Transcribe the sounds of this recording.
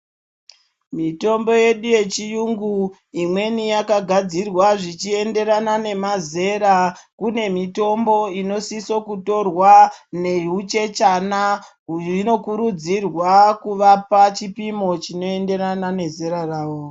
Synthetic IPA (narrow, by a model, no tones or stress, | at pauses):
mito̞mbo̞je̞ɗuje̞t͡ʃijuŋɡu | imwe̞nijakaɡʱad͡zirwaʐit͡ʃie̞nde̞ɾanane̞maze̞ɾakune̞mito̞mbo̞ino̞siso̞kuto̞rwane̞ɦut͡ʃe̞t͡ʃana | ino̞kuɾud͡zirwakuʋapat͡ʃipimo̞t͡ʃino̞e̞nde̞ɾanane̞ze̞ɾaraːwo